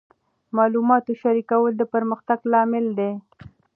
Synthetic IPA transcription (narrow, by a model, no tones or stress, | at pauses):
mɑlumɑt̪oʃaɾikawəld̪əpəɾməxt̪aɡlɑmɪld̪e